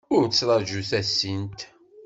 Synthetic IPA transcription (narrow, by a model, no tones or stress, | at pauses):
ʊɾt̪əsɾˤɑʒuθæsːint̪